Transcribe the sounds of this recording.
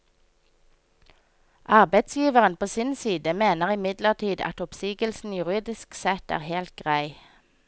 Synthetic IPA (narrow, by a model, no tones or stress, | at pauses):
ʔɑʁbæɪt̪sjiːʋəʁənpʰoːsɪnsiːd̪əmeːnəʁɪmɪd̪ləʁt̪ʰiːd̪ɑ̰t̪ɔpsiːɡəlsn̩jʉʁiːd̪ɪsksɛt̪æ̰ːʁheːlt̪̚ɡʁæɪ